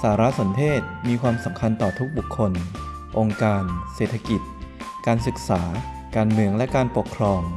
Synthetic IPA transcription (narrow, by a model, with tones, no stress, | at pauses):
saː˩˦ɾa˦˥so˩˦nt̪ʰeː˥˩t̪̚miː˧kʰwaː˧msa˩˦mkʰa˧nt̪ɔː˨˩t̪ʰu˦˥k̚bu˨˩kʰːo˧n | ʔo˧ŋkaː˧nseː˨˩t̪ʰa˧ki˨˩t̪̚ | kaː˧nsɯ˨˩k̚saː˩˦ | kaː˧nmɯ˧əŋlɛ˦˥kaː˧npo˨˩kʰɾɔː˧ŋ